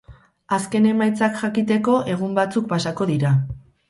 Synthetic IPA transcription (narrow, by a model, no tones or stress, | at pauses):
aske̞ne̞majt͡sakʝakit̪e̞ko̞ʔe̞ɣ̞umbat͡suk̚pasako̞ðiɾa